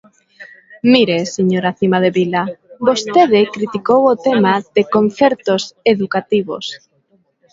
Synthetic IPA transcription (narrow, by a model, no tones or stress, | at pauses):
miɾeseɲoɾaθimað̞eβilabost̪eð̞ɪkɾit̪ikowot̪emað̥ekõnθeɾt̪oseðukat̪iβo̰s